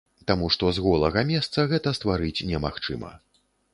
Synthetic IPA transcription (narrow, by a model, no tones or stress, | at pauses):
t̪amuʂt̪ɔzɣɔlˠɐɣɐmʲɛst̪sɐɣɛt̪ɐst̪vaɾɨt͡sʲnʲɛmaxt͡ʂɨmɐ̰